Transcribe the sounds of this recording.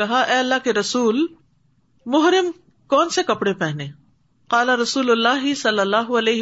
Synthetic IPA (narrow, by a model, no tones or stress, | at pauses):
ɐɦaʔɛːɐlːaːɦkeɾɐsuːl | mʊɦɾɪm | kɔːnsekɐpɽepɛɦneː | qaːlaɾɐsuːlʊlːaːɦɪsɐlːɐlːaːɦʊɐleːɦ